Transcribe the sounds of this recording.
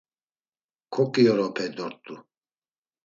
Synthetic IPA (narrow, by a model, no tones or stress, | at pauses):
kʰɔkʼiɔɾɔpʰɛd̪ɔɾt̪ʼu